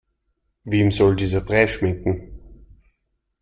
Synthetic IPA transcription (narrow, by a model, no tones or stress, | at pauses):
veːmzɔldiːzɐbʁɛːʃmɪŋkŋ̩